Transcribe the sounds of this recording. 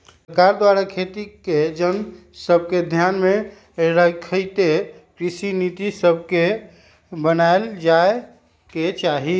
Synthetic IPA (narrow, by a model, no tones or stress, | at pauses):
kaɾd̪waɾakʰet̪iked͡ʒən | səb̚ʱked̪ʱjanme | ɾəkʰəɪt̪ekɾisinit̪isəbʱke | bənaeld͡ʒae | ket͡ʃaɦi